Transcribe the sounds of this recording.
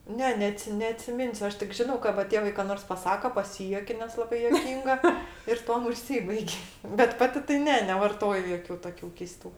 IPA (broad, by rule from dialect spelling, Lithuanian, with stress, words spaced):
ˈnʲɛ nʲɛˈɑːtʲsʲɪ nʲɛɐtʲsʲɪˈmʲɪnʲsʲʊ ˈɐʃ tʲɪk ˈʒʲɪnɐʊ kɐ ʋɐ ˈtʲeːʋɐɪ kɐ ˈnoːrs pɐˈsɑːkɐ pɐˈsʲiːjuɔkʲɛ nʲɛs lˠɐˈbɐɪ juɔˈkʲiːŋɡɐ ɪr ˈtuɔm ʊʃʲˈsʲiːbɐɪkʲ bʲɛt ˈpɑːtʲɪ tɐɪ ˈnʲɛ nʲɛʋɐrˈtoːjʊ ˈjoːkʲʊ ˈtoːkʲʊ kʲɛɪˈstuː